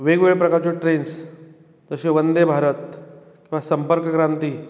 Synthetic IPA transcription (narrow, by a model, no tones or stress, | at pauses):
ʋeɡʋeɭpɾəkaɾt͡ɕoʈɾens | d͡zəɕeʋənd̪ebʱaɾət̪̚ | kĩw̃ʋasəmpəɾkkɾant̪iː